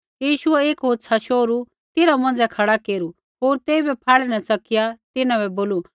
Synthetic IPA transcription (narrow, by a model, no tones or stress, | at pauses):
jiːʃʊɛeːkɦoːt̪sʰaʃoːɾu | t̪ɪɾamɐ̃nd͡zɛkʰɐɽakeːɾu | ɦoːɾt̪eːibɛpʰaːɭɛnɛt͡sɐkɪjat̪ɪnãbɛboːlu